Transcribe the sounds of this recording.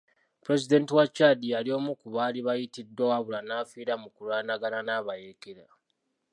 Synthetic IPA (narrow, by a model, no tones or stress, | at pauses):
puɾe̞zide̞ntiwat͡ʃadialio̞mukuβaːliβajitidːwawaβulanaːfiːɾamukulwaːnaɡananaβajekeɾa